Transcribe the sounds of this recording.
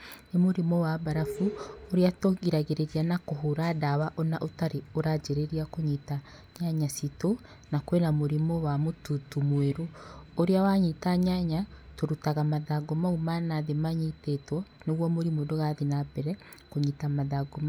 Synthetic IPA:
nemoɾimɔwabaɾafuoɾeatoɣiɾaɣeɾeɾianakoɦoɾadawaʔonaʔotaɾeoɾad͡ʒeɾeɾiakoɲita | ɲaɲasito | nakwenamoɾimɔwamotutumweɾooɾeawaɲitaɲaɲatoɾutaɣamaðaɡomaumanaðemaɲitetwɔ | neɣwɔmoɾimodoɣaðinabɛɾɛ | koɲitamaðaɡoma

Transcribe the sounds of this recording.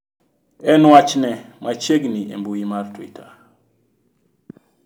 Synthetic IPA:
ɛnwat͡ʃnɛmʔat͡ʃeɡniḛmbujimartwḭtʰa

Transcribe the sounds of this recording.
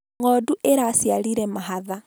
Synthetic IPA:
ŋɔduʔeɾasjaliɾɛmaɦaða

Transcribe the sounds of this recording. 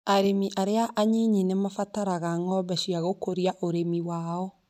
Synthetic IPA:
aɾemiʔaɾeaʔaɲiɲinemafataɾaɣaŋɔbɛʃiaɣokoɾiaʔoɾemiwaːɔ

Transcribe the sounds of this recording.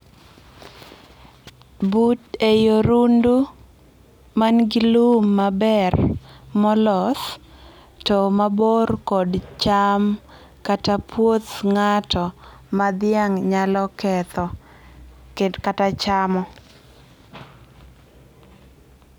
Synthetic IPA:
butejoɾundu | manɡilumːabɛrmɔlɔs | tɔmaborkɔdt͡ʃam | katapwot̪ŋatɔmad̪ɪaŋɲalɔkɛt̪ɔ | kedkatat͡ʃamɔ

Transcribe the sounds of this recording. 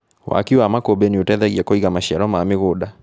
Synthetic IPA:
wa̰kiwamakobɛniotɛðɛɣiakɔiɣamaʃiaɾɔmaːmɪɣoɗa

